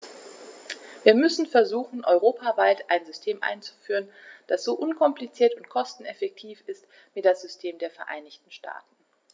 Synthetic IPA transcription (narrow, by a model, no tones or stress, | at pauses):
viːɐmʏsn̩fɛɐzuːxn̩ʔɔʏʁoːpʰavaɪtʔaɪnzʏstʰeːmʔa̰ɪnt͡su̥fyːʁ̞ənd̥asz̥oːʔʊnkʰɔmplit͡siːɐtʊntkʰɔstn̩ɛfɛk̚tʰiːfɪst | viɪtd̥asz̥ʏstʰeːmdeːɐfɛɐʔa̰ɪnɪçtn̩ʃta̰ːtn̩